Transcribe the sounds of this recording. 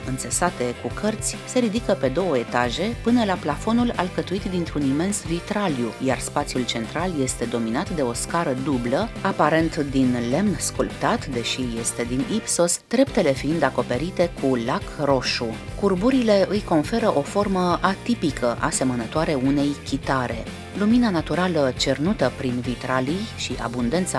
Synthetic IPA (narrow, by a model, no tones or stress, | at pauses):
ɨnt̪səsat̪e̞kukʰərt̪sʲse̞ɾid̪ikəpe̞d̪o̞wəe̞t̪aʒe̞pɨnəlaplafo̞nulalkət̪uit̪d̪int̪ɾunime̞nsvit̪ɾaljujarspat̪sijult͡ʃe̞nt̪ɾalje̞st̪e̞d̪o̞minat̪d̪e̞o̞skaɾəd̪ubləapaɾe̞nt̪d̪inle̞mnskulpt̪at̪d̪e̞ʃije̞st̪e̞d̪inipso̞sd̪̥ɾe̞pt̪e̞le̞fiind̪ako̞pe̞ɾit̪e̞kʰulakro̞ʃu | kurbuɾile̞ɨjko̞nfe̞ɾəʔo̞fo̞rməat̪ipikəʔa̰se̞mənət̪oaɾe̞une̞jkʲit̪aɾe̞̰ | luminanat̪uɾalət͡ʃe̞rnut̪əpɾinvit̪ɾalijʃiʔa̰bund̪e̞nt̪sa